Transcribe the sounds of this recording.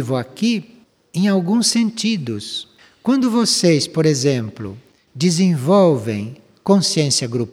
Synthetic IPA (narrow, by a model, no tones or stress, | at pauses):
vʊaki | ẽj̃awɡũsːẽnt̪id̪ʊs | kwɐ̃nd̪ʊvosejspoɾezẽmplʊ̰ | d͡ʒizẽvɔwvḛ̃j̃ | kõsiẽsiɐɡɾup